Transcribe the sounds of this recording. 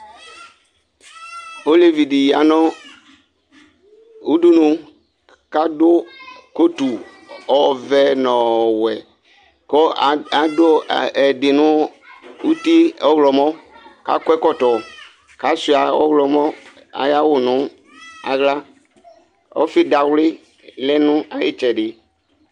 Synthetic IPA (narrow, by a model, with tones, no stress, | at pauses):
o˦le˨vi˨di˨ja˨nɔ̃˦ | u˦du˦nũ˨ | ka˦dʊ˦ko˦t̪u˨ | ɔ˨vɛ˦nɔ̃˨wɛ˨ | kɔ˦˨a˨do˦˨ɛ˨dɪ˨nʊ̃˦u˦t̪i˦ɔ˦wlɔ˨mɔ˦ka̰˨˦kʷɛ˦kɔ˦t̪ɔ˨ | ka˨˦si˨a˨ɔ̰˦wlɔ˨mɔ˦ | a̰˨ja˦wʊ˨nʊ̃˨˦ | a̰˨ɣla˦ | ɔ̰˦fɪ˦da˨wlɪ˦ | lɛ˦nũ˦a˨jɪ̰˦t͡ʃɛ˨ɖɪ˨